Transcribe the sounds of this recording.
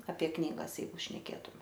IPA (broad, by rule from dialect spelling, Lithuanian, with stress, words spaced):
ɐpʲiɛ ˈknʲiːɡɐs ˈjɛɪɡʊ ʃʲnʲɛˈkʲeːtʊmʲɛ